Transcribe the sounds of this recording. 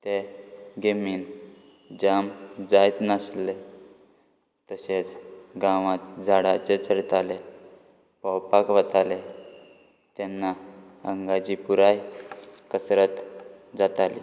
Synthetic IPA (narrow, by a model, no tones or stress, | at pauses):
t̪eɡemiːn | d͡ʑamd͡zajt̪nasle | t̪əɕet͡sɡãʋat̪d͡zʱaɽat͡ɕet͡səɾt̪ale | pɔwpakʋət̪ale | t̪ɛnːa | əŋɡad͡ʑipuɾajkəsɾət̪ | d͡zat̪alḭ